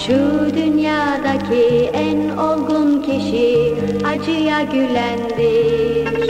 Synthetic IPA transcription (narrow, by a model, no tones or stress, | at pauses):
ʃud̪ynjaːd̪acʰiæno̞lˠɡuncʰiʃi | ad͡ʒɯjaɟylʲænd̪i